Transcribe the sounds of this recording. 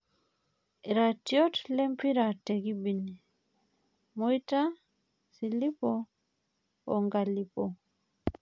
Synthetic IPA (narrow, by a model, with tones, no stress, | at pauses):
i˨ɾa˨tjɔ˦tlɛ˦mpiɾa˨tɛɡibi˨ni˨ | muita˦ | sili˦pɔ | ɔ̰˨ŋɡa˨lipɔ˨